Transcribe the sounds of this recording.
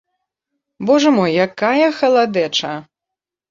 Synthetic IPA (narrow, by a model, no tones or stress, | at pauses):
bɔʐɐmɔjːakajɐxɐlˠad̪ɛt͡ʂɐ